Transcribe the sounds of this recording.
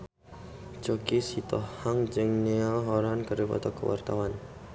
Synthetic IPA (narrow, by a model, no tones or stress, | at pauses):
t͡ʃɔkisit̪ɔhhaŋd͡ʒəŋnealɦɔɾankəɾipɔ̰t̪ɔkəwa̰rt̪a̰wan